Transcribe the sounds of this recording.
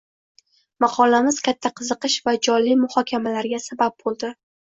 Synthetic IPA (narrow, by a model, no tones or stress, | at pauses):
mɑqʰɒlamɪzkʲat̪ʰːaqʰɨzɨqɨʃvad͡ʒɒlːimʊhɒkʲʰamalaɾɡʲasabap̚bolˠd̪ɪ